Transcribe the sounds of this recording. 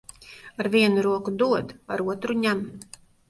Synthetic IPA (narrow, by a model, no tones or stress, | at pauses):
aɾviɛnuɾuɔkud̪uɔd̪aɾuɔt̪ɾuɲæm